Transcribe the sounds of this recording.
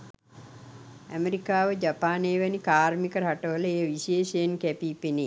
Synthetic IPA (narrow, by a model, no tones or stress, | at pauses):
æmeɾikaːʋəd͡ʒapaːneːʋænikaːɾmikəɾɦaʈəʋələejəʋiʃeːʃejnkæpiːpene